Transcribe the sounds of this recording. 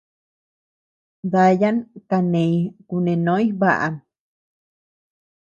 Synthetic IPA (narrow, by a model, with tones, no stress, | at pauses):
ða˧ja˦nka˧nẽjkunẽ˨nõ˦i˦βaʔa̰m